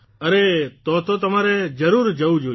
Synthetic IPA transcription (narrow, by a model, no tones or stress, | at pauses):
əɾet̪ot̪ot̪əmaɾed͡ʒəɾuɾd͡ʒəũd͡ʒo